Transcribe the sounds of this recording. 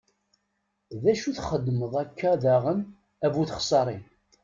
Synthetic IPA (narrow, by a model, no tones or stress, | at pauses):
ðæʃuθχəd̪ːməðˤækʰːaðaʁən | ævuθəχsˤɑɾˤi